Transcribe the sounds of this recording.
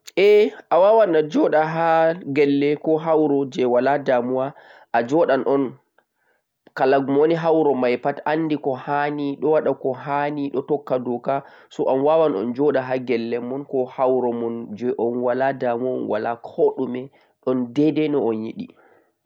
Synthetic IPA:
ʔɛʔawawanad͡ʒɔɗaɦaɡɛlːɛkɔɦawɾɔd͡ʒɛwaladamuwa | ʔad͡ʒɔɗanʔɔn | kalaɡumoniɦawɾɔmajpatanːdikɔhaniɗɔwaɗakɔɦaniɗɔtɔkːadɔka | sɔʔanwawanɔ̰nd͡ʒɔɗaɦaɡɛlːɛmɔnkɔhawɾɔmɔnd͡ʒɛʔɔnwaladamuɔ̰nwa̰lakʰoɗumɛ | ɗɔndɛdɛnɔɔnjiɗḭ

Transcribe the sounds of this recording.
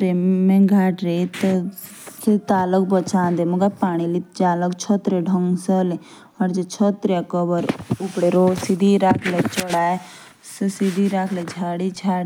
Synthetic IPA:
ɾemẽɡʱaːʈɾet̪ə | kʰet̪aːlək̚bət͡ʃãːnd̪emuɡapaːɽ̃ilid͡ʒaːləkt͡ʃʰɔt̪ɾeɖʱəŋɡsəle | ɔɾd͡ʒet͡ʃʰɔt̪ɾeakəbəɾʊpɽeɾoːsid̪ʱiɾakʰlet͡ʃəɽaːe | ssid̪ʱiɾakʰled͡ʒʱaːɽid͡ʒʰʱaːɽ

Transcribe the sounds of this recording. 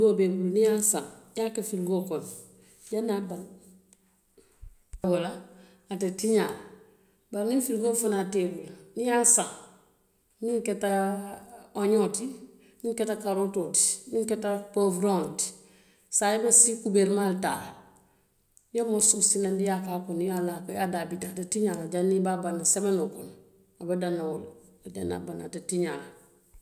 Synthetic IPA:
ɡobebulnijasã̰ŋjakefilɡokon | janaban | wola | atetiɲal | baɾnifilɡofonatebulnijasaŋ | niŋketa | oɲoti | niŋketakaɾototi̥niŋketapovɾonti̥ | sajibasikubeɾmalta̰l | jamosusinandijakakonjalakajadabitatatiɲalad͡ʒanibabanasemenukon | abadanaoldḛna̰bana̰tatiɲala

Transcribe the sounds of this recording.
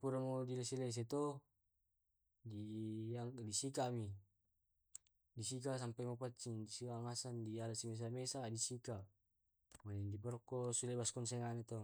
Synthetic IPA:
puɾamodilesiles̬et̪o | diaŋdisikami | disik̬asampajmopat͡ʃːindisiaŋasandialasimɛs̬amesadisika | manɛndipɔɾɔkːɔsulebaskɔnseŋanet̪o

